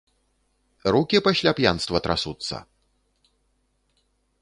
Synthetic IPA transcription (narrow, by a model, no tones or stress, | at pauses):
rukʲipɐɕʲlʲapjanst̪vɐt̪ɾasut̪sːɐ̰